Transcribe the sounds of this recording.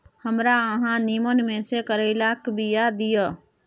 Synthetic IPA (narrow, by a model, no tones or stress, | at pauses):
həmɾaəɦãnimənmẽsekəɾəɪlakbijad̪ijə